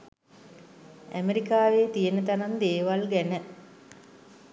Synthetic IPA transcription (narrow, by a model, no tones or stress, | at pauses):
æmeɾikaːʋeːt̪ijənət̪anand̪eːʋalɡænə